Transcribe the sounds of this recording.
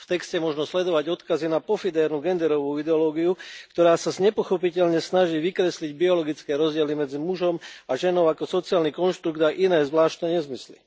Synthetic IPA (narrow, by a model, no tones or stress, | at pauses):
ft̪ɛkscɛmɔʒnɔslɛd̪ɔʋaɟɔt̪kazinapɔfid̪ɛːɾnuɡɛnd̪ɛɾɔʋuːid̪ɛɔlɔːɡiukt̪ɔɾaːsazɲɛpɔxɔpicɛʎɲɛsnaʒiːʋikɾɛsliɟbiɔlɔɡit͡skɛːɾɔzɟɪɛlimɛd͡zimuʒɔmaʒɛnɔʊakɔsɔt͡siaːlnikɔnʃt̪ɾuɡt̪aʔinɛːzʋlaːʃt̪nɛɲɛzmislḭ